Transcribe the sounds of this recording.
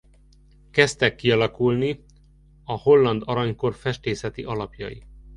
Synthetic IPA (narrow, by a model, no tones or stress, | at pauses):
kɛst̪ɛkːiɒlɒkulni | ɒho̞lːɒnd̪ɒɾɒɲko̞rfɛʃt̪eːsɛt̪iʔɒlɒpjɒ̰jḭ